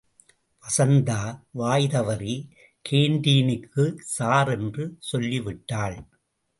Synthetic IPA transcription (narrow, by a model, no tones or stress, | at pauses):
pɐsɐnd̪aːʋaːjðɐʋɐɾi | kʰeːnɖiːnɪkːɯsaːɾɛndrɯsɔlːiʋɪʈːaːɭ